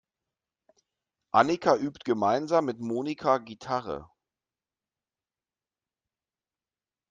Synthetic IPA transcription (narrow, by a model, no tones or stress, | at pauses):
ʔanikʰaʔyːptɡ̥əmaɪnzaːmːɪtmoːnikʰaɡitʰaʁə̰